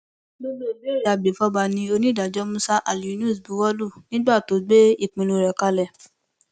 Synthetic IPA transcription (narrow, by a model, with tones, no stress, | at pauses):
lo˦lo˦˨le˦˨ɾe˨a˨bi˨fɔ˦ba˧nĩ˧o˧nĩ˦da˨d͡ʒɔ˨˦mũ˦sa˦ʔa˨li˨˦nũ˦˨sbu˨˦wɔ˦lu˦˨nĩ˦ɡ͡ba˦˨to˨˦ɡ͡be˦i˦˨k͡pĩ˧lũ˧˨ɾɛ˨ka˧lɛ˨